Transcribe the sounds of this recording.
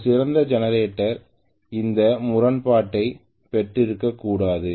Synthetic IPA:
sɪɾɐnd̪ɐd͡ʒɛnɐɾeːʈːɐɾ | ɪnd̪ɐmʊɾɐnpaːʈːɐɪ | pɛʈrɪɾɯkːɐkːuːɽaːðɯ

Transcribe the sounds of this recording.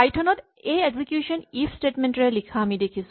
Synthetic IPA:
ajʈʰɐnoʈ | eeɡsikjuːʃəniːfsʈeːʈmẽɳʈɾelikʰamĩd̪ekʰis

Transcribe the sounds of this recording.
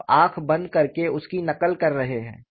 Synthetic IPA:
aːkʰbɐ̃nd̪kɐɾkeʊskinɐkəlkɐɾːɐɦeɦɛ̰̃ː

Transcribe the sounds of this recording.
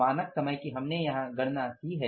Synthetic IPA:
aːnəksɐməjkiɦɐmnejɐɦãɡɐɽnasiɦɛː

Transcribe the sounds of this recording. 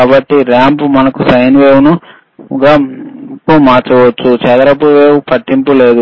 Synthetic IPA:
kaːbɐʈːiɾaːmpumɐnɐkusɐjnʋeːwunu | ɡapumaːt͡ʃɐʋɐt͡ʃːut͡ʃɛd̪ɐɾɐpuʋeːʋupɐʈːimpule̞ːd̪u

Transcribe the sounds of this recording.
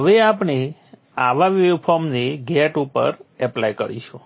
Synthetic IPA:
ɦəʋeapne | aʋaʋupʰoɾmneɡɛʈupə̰ɾɛplajkə̰ɾḭʃʰu

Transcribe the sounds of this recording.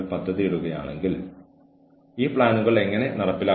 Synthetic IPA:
ɭpɐd̪ʱːɐðiiɾuɣɐja̰ːɳe̞ŋɡil | iːpɭaːnuɣɐɭe̞ŋːɐne̞nɐrɐpːilaː

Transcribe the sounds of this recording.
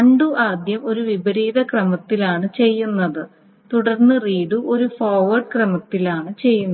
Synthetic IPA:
ɐɳɖuʔaːd̪jɐmo̞ɾuʋibɐɾiːðɐkrɐmɐt̪ːilaːɳɨt͡ɕe̞jːunːɐðɨ | t̪uɽɐrnːɨriːɽuʔo̞ɾufoːʋɐrɖkrɐmɐt̪ːilaːɳɨt͡ɕe̞jːunːɐ

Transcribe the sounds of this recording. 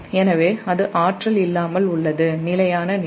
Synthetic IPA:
ɛnɐʋeːɐðɯʔaːʈrɐlɪlːaːmɐlʊɭːɐðɯnɪlɐjaːnɐn

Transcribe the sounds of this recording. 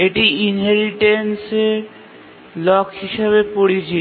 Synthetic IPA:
eʈiinɦeɾiʈenseɾ | lɔkɦiʃeβepoɽit͡ɕʰi

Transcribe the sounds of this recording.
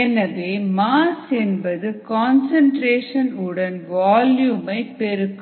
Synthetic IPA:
ɛnɐʋeːmaːsɛnbɐðɯkaːnsɐɳʈɾeːʂɐnɯɽɐnʋaːljuːmɐɪpɛɾɯkːɯ

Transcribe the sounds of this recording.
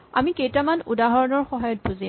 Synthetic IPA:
a̰mikejtamanudaɦɔɹɔnɔɹxɔɦajɔt̚buzi

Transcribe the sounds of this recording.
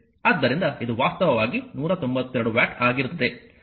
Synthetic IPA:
aːd̪ːɐɾind̪ɐid̪uʋaːst̪ɐʋɐʋaːɡinuːɾɐt̪o̞mbɐt̪ːɛɾɐɽuʋjaːʈaːɡiɾut̪ːɐd̪e̞

